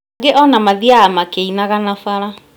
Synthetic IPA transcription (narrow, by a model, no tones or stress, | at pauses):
ɡeʔɔnamaðiaamakeinaɣanafaɾa